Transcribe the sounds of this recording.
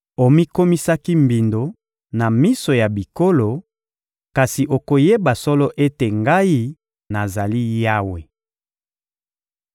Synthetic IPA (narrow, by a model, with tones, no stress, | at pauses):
o˨mi˦ko˦mi˦sa˦ki˦mbi˨ndo˨ | na˨mi˦so˨ja˨bi˨ko˦lo˨ | ka˨si˨ʔo˨ko˨je˦ba˨sɔ˦lɔ˦ʔe˦te˨ŋɡa˦i˦ | na˨za˨li˦ja˦we˨